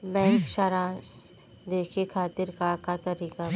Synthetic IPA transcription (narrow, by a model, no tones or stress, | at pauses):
mɛ̃ːkʃaɾas | d̪eːkʰekʰaːt̪ɪɾkakat̪ɐɾiːka